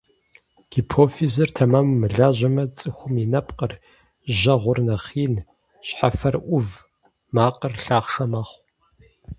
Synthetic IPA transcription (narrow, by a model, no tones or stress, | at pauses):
ɡ̥ipʰoːfizɨrtʰɐmɐmːɨɮaːʑʷɐmɐt͡sʼɨxʷʊminɐpʼqʼər | ʒɐʁʷʊrnɐχiːn | ɕħafɐrʔʷʊv | maːqʼərɬaːχʂɐmɐχʷ